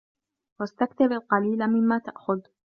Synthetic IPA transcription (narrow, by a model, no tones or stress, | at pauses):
wast̪akt̪abalqɑliːlamɪmːaːt̪aʔxʊð